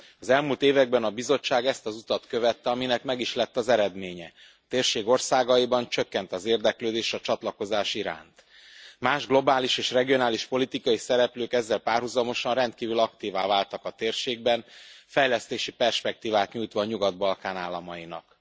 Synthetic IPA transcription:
ɒzɛlmult̪eːvɛɡ̚bɛnɒbizo̞t͡ʃːaːɡɛst̪ɒzut̪ɒt̪kø̞vɛt̪ːɛɒminɛkmɛɡiʃlɛt̪ːɒzɛɾɛd̪meːɲɛ | ɒt̪eːrʃeːɡo̞rsaːɡɒibɒnt͡ʃøkːɛnt̪ɒzeːrd̪ɛkløːd̪eːʃɒt͡ʃɒt̪lɒko̞zaːʃiɾa̰ːnt̪ | maːʒɡlo̞baːliʃeːʃrɛɡijo̞naːliʃpo̞lit̪ikɒisɛɾɛpløːkɛzːɛlpaːrɦuzɒmo̞ʃɒnrɛnt̪̚kiːvylɒkt̪iːvaːvaːlt̪ɒkɒt̪eːrʃeːɡ̚bɛnfɛjlɛst̪eːʃipɛrʃpɛk̚t̪iːvaːt̪ɲuːjt̪ʋɒːɲuɡɒd̪̚bɒlkaːnaːlːɒmɒinɒ̰k

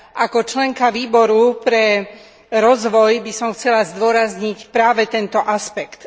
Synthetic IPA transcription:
ʔakɔt͡ʃlɛŋkaʋiːbɔɾupɾɛ | ɾɔzʋɔjbisɔmxt͡sɛlazd̪ʊɔɾazɲicpɾaːʋɛt̪ɛnt̪ɔʔaspɛkt̪

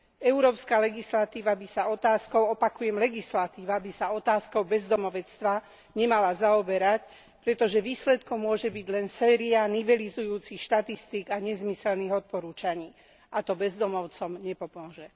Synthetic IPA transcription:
ɛuɾɔːpskaːlɛɡislat̪iːʋabisaɔt̪aːskɔʊɔpakujɛmlɛɡislat̪iːʋabisaɔt̪aːskɔʊbɛzd̪ɔmɔʋɛt͡st̪ʋa | ɲɛmalazaɔbɛɾac | pɾɛt̪ɔʒɛʋiːslɛt̪kɔmmːʊɔʒɛbiɟlɛnsɛːɾianiʋɛlizujuːt͡sixʃt̪at̪ist̪iːɡaɲɛzmisɛlniɣɔt̪̚pɔɾuːt͡ʃaɲiː | at̪ɔbɛzd̪ɔmɔʊt͡sɔmɲɛpɔmʊɔʒɛ

